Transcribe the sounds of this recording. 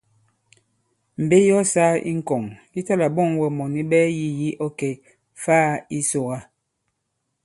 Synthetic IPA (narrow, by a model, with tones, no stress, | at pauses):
m̩˨be˦jɔ˦saː˦ḭ˦ŋ̩˦˨kɔ˨ŋki˦ta˦la˨bɔ˦˨ŋwɛ˨mɔ˨ni˦bɛ˦ji˦ji˦ʔɔ˦kɛ˨ | faː˦i˦so˨ɣa˦